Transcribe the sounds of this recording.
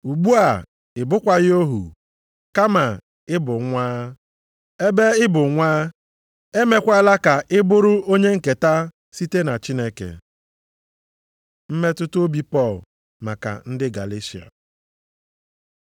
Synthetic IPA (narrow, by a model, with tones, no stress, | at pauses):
u˨ɡ͡bu˦a˨ | ɪ˨bʊ˦kʷa˨ɣɪ˦o˦ɦṵ˨ | ka˦ma˨ | ɪ˦bʊ˨ŋʷaː˦ | e˦be˦ɪ˦bʊ˨ŋʷaː˦ | e˦me˦kʷa˦la˦ka˨ʔɪ˦bʊ˦ɾʊ˦o˦ɲe˦ŋ̩˨ke˨ta˦ | si˦te˦na˨t͡ʃi˦ne˦kḛ˨ | m̩˦me˦tʊ˦to˦bi˦pɔ˦˨l | ma˨ka̰˨n̩˦dɪ˦ɡa̰˨le˦si˨a̰˨